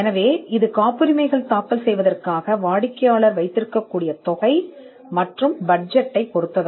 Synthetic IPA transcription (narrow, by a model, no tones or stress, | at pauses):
ɛnɐʋeːɪðɯkaːpɯɾɪmɐɪɣɐɭt̪aːkɐlsɛjʋɐðɐrkaːɣɐʋaːɽɪkːɐjaːɭɐɾʋɐɪt̪ːɪɾɯkːɐkːuːɽɪjɐt̪ɔɣɐɪ | mɐʈrɯmbɐɖ̚d͡ʒɛʈːɐɪpːɔɽɯt̪ːɐðɯ